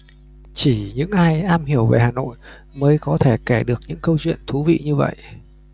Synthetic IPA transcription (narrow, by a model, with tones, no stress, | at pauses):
t͡ɕi˧˩ɲɨ̰˧˥ŋʔaː˧jʔaː˧mhi˧˩əwve˨˩haː˨˩no̰˧˨j | məː˨˦jkɔ˨˦t̪ʰe˧˩kɛ˧˩ɗɨ˨˩ək̚ɲɨ̰˧˥ŋkə˧wt͡ɕwḭ˧˨ənt̪ʰu˨˦vḭ˧˨ɲɨ˧və̰˧˨j